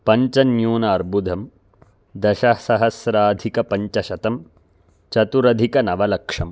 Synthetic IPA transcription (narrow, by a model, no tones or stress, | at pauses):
pɐɲt͡ʃɐnjuːnɐːɾbʱud̪ʱɐm | d̪ɐʃɐsɐɦɐsɾaːd̪ʱikɐpɐɲt͡ʃɐʃɐt̪ɐm | t͡ʃɐt̪uɾɐd̪ʱikɐnɐʋɐlɐkʂɐm